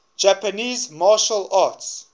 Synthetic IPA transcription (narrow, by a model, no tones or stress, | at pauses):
d͡ʒapəniːzmaːʃəlaːts